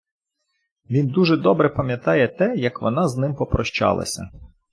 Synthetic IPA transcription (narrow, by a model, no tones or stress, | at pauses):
ʋʲind̪uʒɛd̪ɔbɾɛpɐmʲjɐt̪ɑjɛt̪ɛjɐkʋɔnɑznɪmpɔpɾɔʃt͡ʃɑ̰lˠɐ̰sʲɐ̰